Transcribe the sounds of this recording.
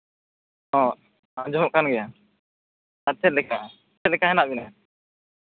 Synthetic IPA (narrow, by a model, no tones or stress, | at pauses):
ɔ̃ | ãd͡ʒɔɔʔkanɡɛja | at͡ʃʰɛt̪̚lɛka | ɛt̪̚lɛkaɦɛnaʔbina